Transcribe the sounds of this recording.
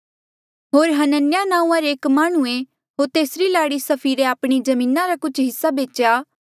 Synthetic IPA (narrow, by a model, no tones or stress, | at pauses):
ɦoːɾɦɐnənjanãːũːãɾeːkmaːɽ̃uẽ | ɦoːɾt̪eːsɾilaːɽisɐpʰiːɾeaːpɽ̃id͡ʒɐmĩːnaɾakʊt͡ʃʰɦɪsːabeːt͡ʃjaː